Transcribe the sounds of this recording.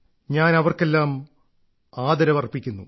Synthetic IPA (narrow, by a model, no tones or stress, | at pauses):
ɲaːnɐʋɐrke̞lːaːm | aːd̪ɐɾɐʋɐrpːikʲːunːu